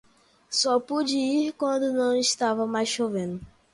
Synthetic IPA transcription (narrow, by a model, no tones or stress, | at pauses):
sɔpud͡ʒɪiɾkwɐ̃nd̪ʊnɐ̃w̃iʃt̪avɐmajsʃovẽnd̪ʊ